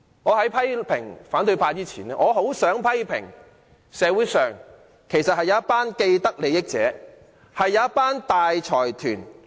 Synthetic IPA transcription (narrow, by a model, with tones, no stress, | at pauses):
ŋɔː˨˧ɦɐ˨˥jpʰɐ˥jpʰɪ˨˩ŋfaː˨˥nt̪ɵ˧ɥpʰaː˧t͡siː˥t͡sʰiː˨˩nɛː˧ŋʔɔː˨˧ɦo˨˥wsœː˨˥ŋpʰɐ˥jpʰɪ̰˨˩ŋ | sɛː˨˧wuː˨˥sœː˨ŋ | kʰe˨˩jsɐ˨t̚hɐ˨jɐ˨˧˦ɐ˥t̚paː˥nke˧jt̪ɐ˥k̚le˨˧jɪ˥k̚t͡sɛ̰ː˨˥ | hɐ˨jːɐ˨˧ɐ˥t̚paː˥nt̪aː˨jt͡ʃʰɔː˨˩jt̪ʰyː˨˩n